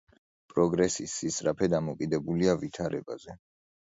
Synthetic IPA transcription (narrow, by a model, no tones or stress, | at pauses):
pʼɾɔɡɾɛsisːisʼɾapʰɛd̪amɔkʼid̪ɛbuliavit̪ʰaɾɛ̰ba̰zɛ